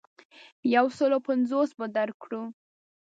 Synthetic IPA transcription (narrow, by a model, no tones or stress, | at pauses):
jawsəlopanzosbəd̪aɾkɽu